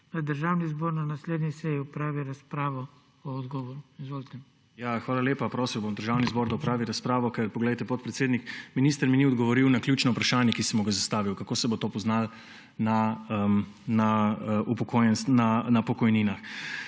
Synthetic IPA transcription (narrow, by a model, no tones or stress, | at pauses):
d̪ad̪əɾʒaːwnizbɔɾnanasleːd̪nisɛjiɔpɾaːʋiɾaspɾaːʋɔ | ɔːd̪ɡɔːʋɔɾuizʋoːlt̪ɛm | jaxʋaːlaleːpapɾoːsiwbomd̪əɾʒaːwnizboːɾd̪aupɾaːʋiɾaspɾaːʋɔkɛɾpɔɡlɛjt̪ɛpɔt̪̚pɾɛt̪seːd̪nikminiːst̪əɾminiɔd̪ɡɔʋɔɾiwnakljuːt͡ʃnɔwpɾaʃaːnjɛkisɛmɔɡazast̪aːʋiwkakoːsɛbot̪oːpɔznal | naəm | naəupɔkʰoːjɛnst̪nanapɔkɔjninax